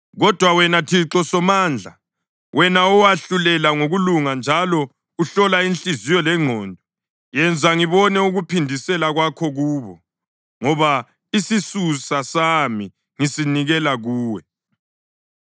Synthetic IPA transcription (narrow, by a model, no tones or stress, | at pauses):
ɣɔd̥ʱwawɛnatʰiǁɔsɔmaːnd͡ɮʱa | wʔɛnaɔwaɬulɛlaŋoɣuluŋand͡ʒʱalɔ | uɬɔlainɬizijɔlɛŋ͡ǃʱɔːndʱɔ | jɛnd͡zʱaŋiβɔnɛuɣupʰindʱisɛlaɣwakʰɔɣuːβɔ | ŋɔβa | isisusasami | ŋisiniɣɛlaɣuːwɛ